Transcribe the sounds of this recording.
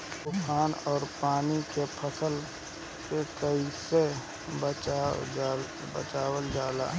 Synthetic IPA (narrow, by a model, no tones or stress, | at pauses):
t̪ʊkʰaːnɔːɾpaːnikepʰəsəl | sekəise | bət͡ʃa | bə̰t͡ʃaːwəld͡ʒaːla̰ː